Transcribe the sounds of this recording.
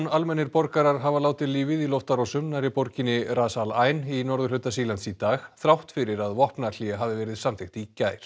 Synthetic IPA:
nalmɛnːɪɾpɔɾkaɾaɾ̥ɦavalaːwt̪ɪðliːvɪðilɔwft̪aɾɔsʏmnaɾɪpɔɾcɪnɪraːsalaːjninɔɾðʏɾlʏt̪asiːlant̪sit̪aːxθɾawht̪fɪɾɪɾaðvɔhpnal̥iaɦaːvɪvɛːɾɪðsamtθɪxt̪icaːjɾ̥

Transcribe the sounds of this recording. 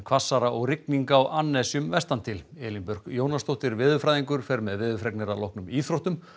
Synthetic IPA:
kʰv̥asːaɾaʔɔɣrɪkniŋkaːwʔanːɛsjʏmvɛst̪ant̪ʰɪlɛːlimpʏɾ̥ɣjoːwnast̪owht̪ɪɾvɪːðʏfɾajðiŋkʏɾ̥fɛɾmɛðvɪːðʏfɾɛknɪɾalɔhknʏmiːθɾowht̪ʏm

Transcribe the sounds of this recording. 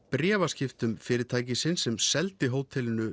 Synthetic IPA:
pɾjɛːvascɪft̪ʏmfɪːɾɪɾt̪ʰaːjc̬ɪsɪnsɛmsɛlt̪ɪɦoːwt̪ʰɪlɪnʏ

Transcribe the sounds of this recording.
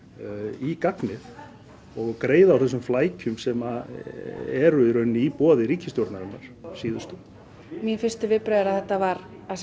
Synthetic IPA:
ikaknɪð | ɔɣkɾeːjðaːwθɛs̬ːʏmflaːjcʰʏmsɛma | ɛɾʏɾœɥnːɪipɔːðɪɾiːcɪst̪jɔɾt̪naɾɪna̰ɾ̥siːðʏst̪ʏ | miɛfɪr̥st̪ʏvɪðpɾaːðɪɾaðθɛht̪ːavaɾ | a

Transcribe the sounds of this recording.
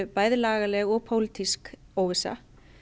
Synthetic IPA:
paːjðɪlaːɣalɛɣɔɣpʰowlit̪isk | oːwvɪsa̰

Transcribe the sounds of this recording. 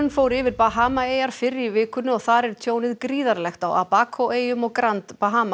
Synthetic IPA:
nfoːwɾɪvɪɾpaɦaːmaeːjaɾ̥fɪɾːivɪːkʏnʏɔɣθaɾɛɾ̥t̪ʰjoːwnɪðkɾiːðaɾlɛxt̪awa̰paːkʰoeːjʏmɔɣkɾant̪paɦaːma

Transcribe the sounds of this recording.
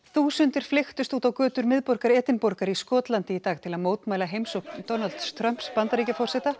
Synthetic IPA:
θuːsʏnt̪ɪɾ̥flɪxt̪ʏst̪uːt̪awkœːt̪ʏɾmɪðpɔɾkaɾɛːt̪ɪnpɔɾkaɾiskɔːt̪lant̪ɪit̪aːɣt̪ʰɪlaðmoːwt̪maːjlaɦejmsokd̪ɔnalt̪st̪ʰɾœm̥pspant̪aɾiːcafɔrsɛt̪a

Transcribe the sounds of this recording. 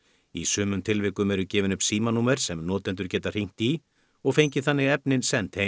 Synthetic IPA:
ḭsʏːmʏmt̪ʰɪlvɪːkʏmɛɾʏcɛːvɪnʏpsiːmanuːmɛɾ̥sɛmnɔːt̪ɛnt̪ʏɾ̥cɛːt̪ar̥iŋ̥t̪i | ɔɣfejɲcɪθanːɪɣɛpnɪnsɛnt̪he

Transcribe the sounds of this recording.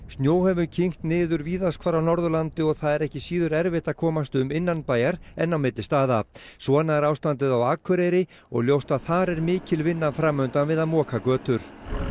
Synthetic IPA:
st̪njoːwhɛvʏcʰiŋ̥t̪nɪːðʏɾviːðaskʰvaːɾawnɔɾðʏlant̪ɪɔɣθaðɛɾɛhcɪsiːðʏɾɛɾvɪht̪akʰɔːmast̪ʏmɪnːanpaːjaɾɛnːawmɪt̪lɪst̪aːðasvɔnaɾaːwst̪ant̪ɪðawaːkʰʏɾejɾɪ | ɔ̰ɣljowst̪aðθaɾɛɾmɪːcɪlvɪnːafɾaːmːœnt̪anvɪðaðmɔːkʰakœːt̪ʏɾ̥

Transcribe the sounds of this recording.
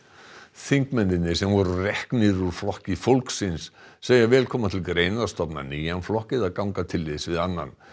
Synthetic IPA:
θiŋkmɛnːɪnːɪsɛmvɔɾʏrɛhknɪɾuɾ̥flɔhcɪfowlksɪnsːeːjavɛːlkʰɔːmat̪ʰɪlɡɾeːjnast̪ɔpna̰niːjanflɔhcɪðaðkawŋkat̪ʰɪlːɪðsvɪðanːa̰n

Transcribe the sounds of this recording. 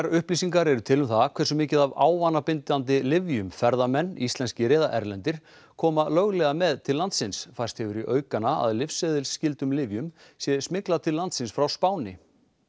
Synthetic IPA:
ɾʏhplisiŋkaɾɛɾʏt̪ʰɪlʏmθaðkʰvɛrsʏmɪːcɪðava̰ːwvanːapɪnt̪ant̪̬ɪlɪvjʏmfɛɾðamɛnːist̪lɛnscɪɾɛːðaʔɛɾlɛnt̪ɪɾ̥ | kʰɔːmalœɣlɛɣamɛðt̪ʰɪllːant̪sɪnsfajrst̪hɛvʏɾiʔœːɥkanːaa̰ðlɪfsɛðɪlscɪlt̪ʏmlɪvjʏmsjɛsmɪklat̪ʰɪllːant̪sɪnsfɾawspaːwnɪ

